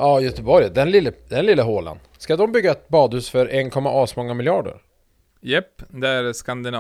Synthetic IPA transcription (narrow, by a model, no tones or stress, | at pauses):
ɑːjœt̪əbɔɾjəd̪ɛnlɪlːəd̪ɛnlɪləɦoːla̰n | skad̪ɔmbʏɡːaɛt̪̚bɑːd̪hʉːsfœɾɛnkʰɔmːaʔɑsmɔŋːamɪljɑːɖə̰ɾ | jɛpːd̪ɛæɾskand̪ɪnː